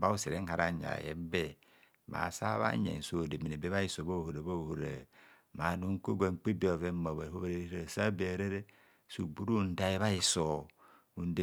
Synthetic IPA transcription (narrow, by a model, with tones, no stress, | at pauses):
ba˦u˦se˨ɾe˦ŋ̩˦ha˨ɾa˦ɲa̰˨jḛ˦m˦be˦ | ma̰˨sa˦βa̰˦ɲḛ˨n̩˨su˦o˨de˨mi˨ne˨be˦βa˦i˦so˨bo˦˨ho˨ɾe˨bo˦˨ho˨ɾḛ˨ | ma˨nu˦ŋ̩˦ko˦ɡe˨ŋ͡m̩˨k͡pi˦bi˦o˨ve˦mo˨βa˨o˦βe˦ɾe˦i˦ɾe˨sa˦be˨ɾe˦ɾe˦ | su˨bu˦ɾu˦˨n̩˦da˦i˦βa˦i˨so˨ | u˨n˦de˦